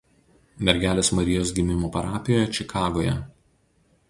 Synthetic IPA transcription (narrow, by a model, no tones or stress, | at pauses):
mʲɛɾʲɡʲæːlʲeːsmɐɾʲɪjoːs̬ɡʲɪmʲɪmoːpɐɾɑːpʲɪjoːjɛt͡ʃʲɪkʰɑːɡoːjɛ̰